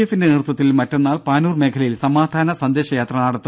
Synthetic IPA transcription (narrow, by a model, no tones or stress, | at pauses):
efːindeiːrt̪ːɐt̪ːilmɐtːe̞nːaːlpaːnuːrme̞ːkʰɐlɐjilsɐmaːd̪ʱaːnɐsɐnd̪e̞ːɕɐjaːt̪rɐnaːɽɐt̪ː